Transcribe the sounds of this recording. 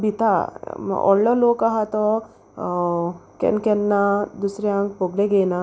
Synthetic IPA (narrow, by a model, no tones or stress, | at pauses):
bit̪a̰ʔɔ̰llɔlokaɦat̪ɔ | kɛ̰nkɛnːad̪usɾjãŋk̚boɡleɡena